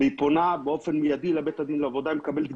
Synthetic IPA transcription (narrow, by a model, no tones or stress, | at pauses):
eiponabeo̞fe̞nmijad̪ilabet̪ad̪inleavo̞d̪aimekabelt̪